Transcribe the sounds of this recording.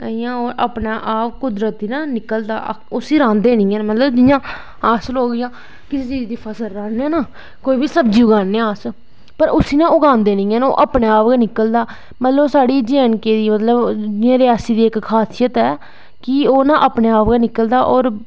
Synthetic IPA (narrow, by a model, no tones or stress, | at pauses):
əijãːoːɾaːpnaːʔaːpkʊd̪ɾət̪iːnãːnɪkəld̪a̰ː | ʊsiːɾãːnd̪eːnɪ̃ːɛːnmət̪ləbd͡ʒɪjãː | aːsəloːɡɪjãː | kɪseːt͡ʃiːd͡ʒd̪iːpʰəsəlːãːneɛːnaː | koːiːbiːsəbd͡ʒiːʊɡaːnːẽaːs | pəɾʊsiːnãːʊɡãːnd̪eːnĩːɛːno̰ːʔaːpneːaːpɡaːnɪkəld̪aː | mət̪ləbsaːɽiːd͡ʒɛːnkeːd̪iːmət̪ləbd͡ʒɪjãːɾɪjaːsiːd̪iːɪkkʰːaːsɪjət̪ɛː | kɪoːnãːʔaːpneːaːpɡaːnɪkəld̪aːʔɔːɾ